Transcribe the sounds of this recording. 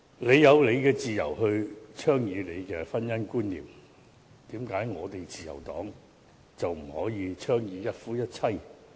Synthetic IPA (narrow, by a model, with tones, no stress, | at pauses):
le˨˧jːɐ˨˧wle˨˧jkɛː˧t͡siː˨jɐ̰˨˩wɦɵ˧ɥt͡ʃʰœː˥ŋjiː˨˧le˨˧jkɛː˧fɐ˥njɐ˥nkuː˥nlḭː˨m | t̪iː˨˥mkaː˨˥jŋɔː˨˧t̪e˨jt͡siː˨jɐ̰˨˩wt̪ɔ̰ː˨˥ŋ | t͡sɐ˨wm̩˨˩hɔː˨˥jiː˨˧t͡ʃʰœː˥ŋjiː˨˧jɐ˥t̚fuː˥jɐ˥t̚t͡sʰɐ˥j